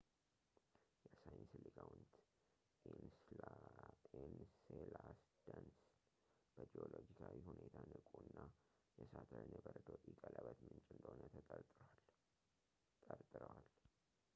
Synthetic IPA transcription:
jɛsajɪnslikʰawnt̪ | enselasd̪̥əns | b̥əd͡ʒio̞lod͡ʒikʰawihunʔe̞t̪ʰanɨkʼunːa | jɛsat̪ʰəɾnebəɾd̪ot̪ʼikʼələbət̪mɨnt͡ʃʼɪnd̪oonə | t̪ʼəɾt̪ʼɨɾəwal

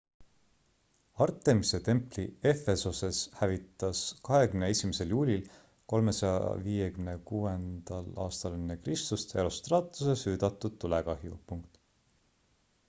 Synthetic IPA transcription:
ɑrt̪ːˑe̞mise̞t̪e̞mplie̞fe̞sose̞shævit̪ːˑɑskɑɦe̞kymnee̞sʲimese̞ljuːlʲil | ko̞lme̞sɑjɑ̰viːje̞kymne̞kuːe̞nd̪̥ɑlɑːst̪ɑlenekrist̪ust̪e̞̰ɾo̞st̪rɑːt̪ːˑu̥se̞syːd̪̥ɑt̪ːˑud̪̥̚t̪ːuleɡɑɦjṵpuŋk̚t̪ˑ

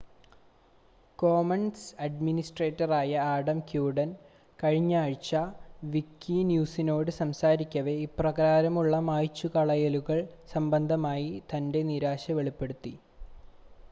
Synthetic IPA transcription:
koːmɐnsɐɖminisʈreːtːɐraːjɐaːɽɐmkjuːɖɐn | kɐɻiɲːaːɻt͡ɕːɐʋikːinjuːsino̞ːɽɨsɐmsaːɾikʲːɐʋe̞iprɐɣaːɾɐmuɭːɐmaːjt͡ɕːukɐɭɐjɐluɣɐɭsɐmbɐnd̪ʱɐmaːjit̪ɐnde̞niɾaːɕɐʋe̞ɭipːe̞ɽut̪ːi

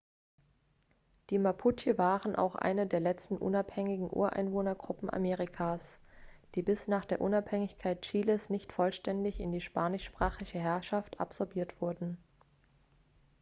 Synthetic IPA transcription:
d̥iːmapʰut͡ʃivaːʁənʔa̰ʊxʔa̰ɪnədeːɐlɛt͡stn̩ʔʊ̰naphɛŋɪɡŋ̩ʔṵːɐʔa̰ɪnvoːnɐɡʁʊpm̩ʔa̰meːʁɪkʰaːs | d̥iːbɪsnaːχd̥eːɐʔʊnaphɛŋɪçkʰaɪt̚t͡ʃiːləsnɪçtfɔlʃtɛndɪçɪndiːʃpaːnɪʃpʁ̥aːχɪçəɦɛɐʃafta̰pz̥ɔɐbiːɐtv̥ʊɐdn̩

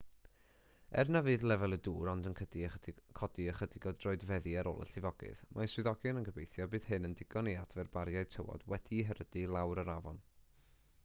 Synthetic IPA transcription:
ɛ̰rnavɨːðlˠɛvɛlˠəduːɾɔndənkʰədikʰɔdiəχədɪɡɔdroːɨdvɛðiaɾo̰ːlˠə̰ɬɪvɔɡ̥ɨ̰ðmʔaswɪðɔɡɨnənkʰəbejθjɔbɨːð̥hɨnəndɪɡ̥ɔniad̥vɛrbaɾjajtʰəwɔ̰d̥wɛdiɦəɾədilˠawɾəɾavɔn

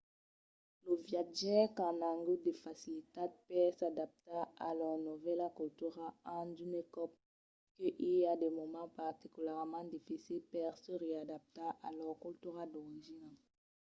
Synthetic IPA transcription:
ləvjaʒɛkãnãŋɡud̪efasilit̪ad̚pɛsad̪ap̚t̪aalœʁnuvɛlakult̪yʁaɑ̃dynekɔp̚ | kəʔiljad̪ɛmɔmɑ̃paʁt̪ikylɛʁmɑ̃d̪ifisilpɛʁsəʁead̪ap̚t̪aʔalœʁkɔlt̪yʁad̪ɔʁiʒina

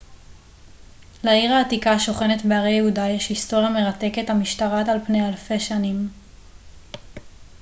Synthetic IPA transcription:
laiʁaːt̪ikaʃo̞χe̞netbeaʁejeɦudajeʃhisto̞ʁjame̞ʁate̞ke̞thamiʃtaʁatalpne̞jalfe̞ʃanim

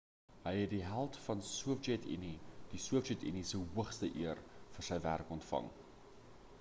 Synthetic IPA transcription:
ɦəjɦɛt̚diɦælˠtfɐnsuəfd͡ʒɛtḭnid̥isuəfd͡ʒɛtḭnisəɦuəχstəʔiərfərsəjvæ̰rkɔntfɐ̰ŋ

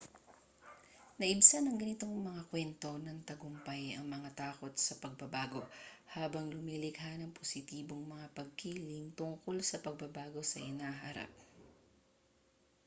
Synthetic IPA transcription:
nɐʔɪbsanɐŋɡɐnɪt̪o̞ŋmɐŋakwɛnt̪o̞nɐŋt̪ɐɡʊmpajɐŋmɐŋat̪aːko̞t̪̚sɐpɐɡ̚bɐbaːɡo̞haːbɐŋlʊmiːlɪɡɦanɐŋpʰosɪt̪iːbo̞ŋmɐŋapɐɡ̚kiːlɪŋt̪ʊŋko̞lsɐpɐɡ̚bɐbaːɡo̞sɐʔɪnaːhaɾa̰p̚

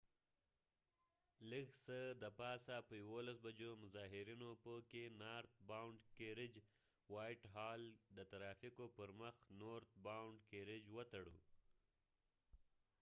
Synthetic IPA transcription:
ləksəd̪əpɑsapəjawolas̬bad͡ʒomʊzɑɦɪɾinopəkenɑɾt̪̚bawɳɖkeɾɪd͡ʒ | wɑjʈɦɑld̪ət̪aɾɑfikopəɾməxnoɾt̪̚bawɳɖkeɾɪd͡ʒwət̪aɽṵ

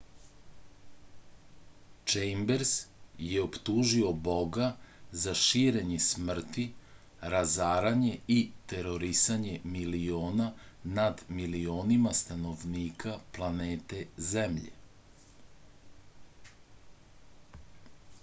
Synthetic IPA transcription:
t͡ʃejmbeɾz̥jeopt̪uːʒio̞bo̞ɡazaʃiːɾeɲesmr̩t̪i | ɾazaːɾaɲe̞it̪e̞ɾo̞ɾisaɲe̞milioːnanad̪milioːnimast̪ano̞ʋniːkʰaplˠaneːt̪e̞zemʎḛ

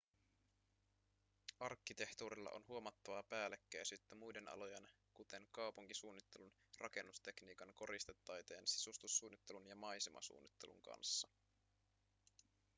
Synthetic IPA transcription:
ɑrkːit̪e̞ht̪uːɾilːɑ̰ʔo̞̰nɦuo̞mɑt̪ːɑʋɑpæːlekːæjsyt̪ːæmujde̞nɑ̰lo̞jen | kut̪e̞ŋkɑwpuŋkisuːnːit̪ːe̞lun | rʔɑ̰ke̞nːust̪e̞kniːkɑŋko̞ɾist̪et̪ːɑjt̪e̞̰ːnsi̥sust̪usːuːnːit̪ːe̞lunjɑmɑjsimʔɑ̰sṵːnːit̪ːe̞lṵŋkɑ̰nsːɑ

